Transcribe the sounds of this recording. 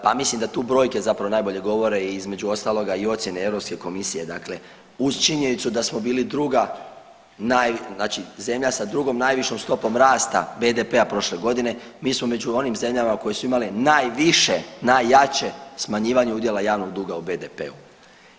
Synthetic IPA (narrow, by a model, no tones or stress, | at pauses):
pamislimd̪at̪uːbɾo̞ːjke̞zapɾaʋoaːjbo̞ʎe̞ɡo̞ʋo̞ɾe̞izme̞d͡ʒuo̞st̪aːlo̞ɡaio̞t̪sje̞nee̞ʋɾo̞pske̞ko̞misije̞d̪akle̞ | ust͡ʃiɲenit̪sud̪asmo̞biːlid̪ɾuɡa | najnaːt͡ʃize̞mʎasad̪ɾuɡo̞mnajʋiʃomst̪o̞po̞mɾaːst̪a̰be̞d̪epe̞apɾo̞ʃle̞ɡo̞d̪ine̞ | miːsmome̞d͡ʒuo̞nimze̞mʎamako̞jesuimalinajʋiʃe̞najːat͡ɕe̞smaɲiːʋaɲeud̪je̞lˠajaːʋno̞ɡd̪uːɡaube̞d̪epe̞̰u